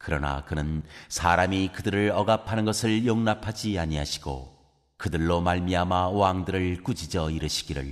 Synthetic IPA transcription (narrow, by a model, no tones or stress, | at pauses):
kɯɾʌ̰na̰kɯnɯnsʰaɾamikɯdɯɾɯɭʌɡapʰanɯnɡʌsʰɯɭjoŋnapʰad͡ʑiaɲiɦaɕʰi̥ɡ̥o̰ | kɯdɯɭːomaɭmiamawaŋdɯɾɯɭkud͡ʑid͡ʑʌiɾɯɕʰi̥ɡiɾɯ̰ɭ